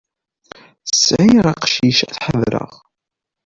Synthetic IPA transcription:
sʕjʁɑqʃiʃæθħəvɾə̰ʁ

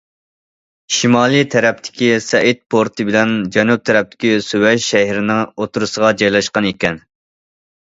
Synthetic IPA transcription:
ʃimɑːlˠit̪ʰɛɾɛp̚t̪ʰɪ̥kʲisɛʔit̪̚pʰoɾt̪ʰɨbɪlɛnd͡ʒɛnup̚t̪ʰɛɾɛp̚t̪ʰɪ̥kʲisywɛʃʃɛɦiɾɪnɪŋot̪ʰuɾɨsəʁɑd͡ʒɑjlˠɑʃqɑnekʲɛn

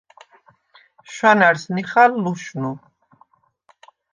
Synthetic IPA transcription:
ʃwanaɾsniχalːuʃnu

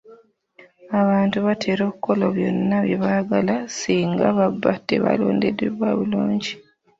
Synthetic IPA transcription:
aβaːntuβatʰe̞ːɾo̞ːβikʰːo̞loβjo̞̰nːaβjeβaɡalasiːŋɡaβabːatːeβa̰lo̰ːndedeβwaβuluːɲɟi

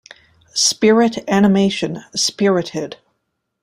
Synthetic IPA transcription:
spɪɹɪɾænɨmeɪʃɨ̃nspɪɹɨɾɪd̥

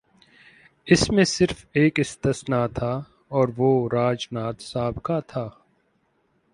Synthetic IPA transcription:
ɪsmẽsɪɾfeːkɪst̪ɪsnat̪ʰaː | ɔːɾʋoɾaːd͡ʒnaːt̪saːbkat̪ʰaː

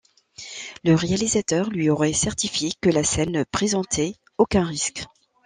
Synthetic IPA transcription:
ləʁealizat̪œʁlɥiɔʁɛsɛʁt̪ifjekəlasɛnːəpχezɑ̃t̪ʰɛ | okɛ̃ʁisk

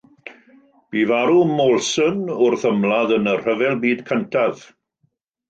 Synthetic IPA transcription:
b̥ivaɾumɔlˠsənʊrθəmlˠaðənər̥əvɛlˠbiːdkʰəntʰað̥

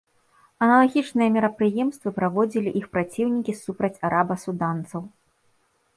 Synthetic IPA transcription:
ɐnɐlˠaɣʲit͡ʂnɨjɐmʲiɾɐpɾɨjɛmst̪vɨpɾavɔd͡zʲilʲiʔixpɾat͡sʲiwnʲikʲisupɾɐt͡sʲaɾʔabɐsud̪ant̪sɐw

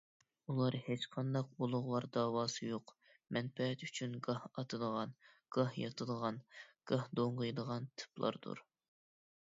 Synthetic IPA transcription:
ulˠɑɾhet͡ʃqʰɑnd̪ɑqolˠʊʁlˠɑɾd̪ɑːwɑːsɨjoq | mɛnpɛɦɛt̪yt͡ʃʰynɡɑhɑt̪ʰɨd̪əʁɑn | ɡ̥ɑhjɑt̪ʰɨd̪əʁɑnɡ̥ɑhd̪oɴʁəjd̪əʁɑnt̪ʰɨ̥plˠɑ̰ɾd̪ṵɾ

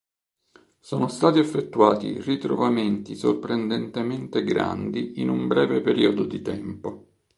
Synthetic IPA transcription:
sɔːnost̪aːt̪iefːet̪ːuaːt̪ḭrit̪ɾo̰vament̪iso̰rpɾend̪ent̪ement̪eɡɾa̰nd̪iinumbɾɛːvepeɾiːod̪od̪it̪ɛmpo

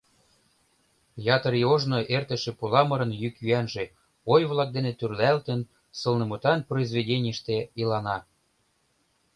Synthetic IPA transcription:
jɑt̪əɾioʒnoʔert̪ə̆ʃĕpulɑmɤɾə̆njykjyænʒĕ | ojβlˠɑk̚d̪enet̪yrlælt̪ə̆n | sɤ̆lˠnɤ̆mut̪ɑnproizvedʲenʲəʃt̪ĕilɑnɑ

